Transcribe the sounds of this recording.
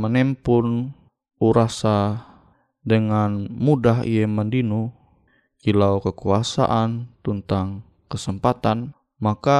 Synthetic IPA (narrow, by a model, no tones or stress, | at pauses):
mənɛmpʊn | ʔuɾasa | dəŋanmudaɦḭjəməndinu | kilawkəkuasa̰ʔant̪ənt̪aŋ | kəsəmpat̪an | maka